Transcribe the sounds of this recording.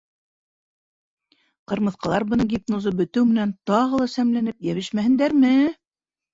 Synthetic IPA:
qɤ̆ɾmɤ̆θqɑlˠɑɾbɤ̆nɤɡʲipnozɤbɵ̆t̪ɘwmɘ̆nænt̪ɑʁɤlˠɑsæmlænɘp̚jæβɘʃmæhɘ̆nd̪æɾmɘ

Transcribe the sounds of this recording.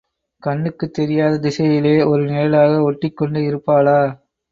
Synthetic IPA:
kɐɳːɯkːɯt̪ːɛɾɪjaːðɐd̪ɪsɐjɪleːɔɾɯneːɐlaːɣɐɔʈːɪkːɔɳɖɯɪɾɯpːaːlaː

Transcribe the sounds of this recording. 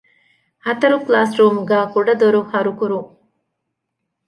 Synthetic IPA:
hɐt̪ɐɾuklaːsɾuːmuɡæːkuɖɐd̪oɾuhɐɾukuɾuŋ

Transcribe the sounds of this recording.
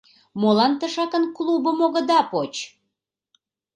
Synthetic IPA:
molɑnt̪əʃɑkənklubəmoɣəd̪ɑpot͡ɕ

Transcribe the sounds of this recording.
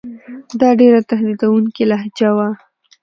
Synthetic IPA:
d̪ɑɖeɾat̪aɦd̪id̪awuŋkilaɦd͡ʒawa

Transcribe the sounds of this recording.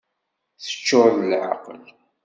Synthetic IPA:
θə̥t͡ʃːʊɾðəlʕa̰qəl

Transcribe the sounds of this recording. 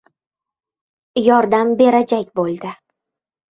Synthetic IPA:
jɒɾd̪ambe̞ɾad͡ʒakʲbolˠd̪ɪ

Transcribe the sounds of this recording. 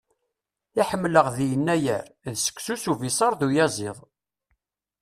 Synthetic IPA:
aħəmːləʁðijənːæjə̰ɾðsə̥kʷːsusuvisˤɑɾˤðujæzˤɪðˤ

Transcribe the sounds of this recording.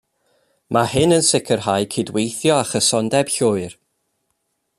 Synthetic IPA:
mʔahɨnənsɪkʰərɦajkʰiːdwejθjɔaχəsɔndɛb̥ɬʊːɨr

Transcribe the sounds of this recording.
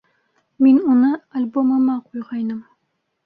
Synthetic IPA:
minunɤalʲbomɑmɑqujʁɑjnɤm

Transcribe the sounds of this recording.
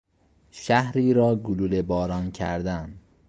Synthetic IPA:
ʃæhɾiːɾɒːɡululebɒːɾɒːncʰæ̰ɾd̪æn

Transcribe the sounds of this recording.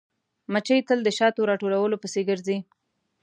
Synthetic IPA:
mat͡ʃəjt̪əld̪əʃɑt̪oɾɑʈolawəlopəseɡəɾzi

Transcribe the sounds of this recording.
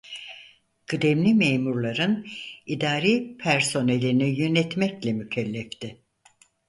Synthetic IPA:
ɡ̥ɯd̪emlʲimejmuɾlˠaɾɯnid̪aːɾiːpʰæɾso̞nelʲinijønɛt̪mɛclʲɛmycʰɛlʲːɛft̪ʰɪ

